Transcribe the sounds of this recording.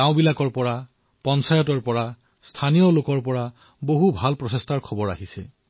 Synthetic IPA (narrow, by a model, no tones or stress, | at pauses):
ãw̃bilakɔɹpɔɹa | pɔnsʰajɔtɔɹpɔɹa | stʰanijɔlokɔɹpɔɹa | boɦubʱalpɹɔsestʰaɹkʰɔbɔɹa̰ɦisɛ̰